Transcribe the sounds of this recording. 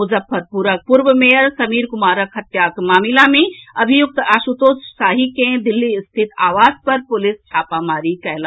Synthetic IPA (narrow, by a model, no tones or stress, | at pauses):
ʊzəfʰːəɾpuɾək̚pʊɾʋəmeːjəɾsɐmiːɾkʊmaːɾəkɦɐt̪jaːkmaːmilamẽɐbʱijʊk̚t̪aːʃut̪oːssaːɦikẽd̪ɪlːiɪst̪ʰɪt̪aːʋaːzpɐɾpʊlɪst͡ʃʰaːpamaːɾikɐla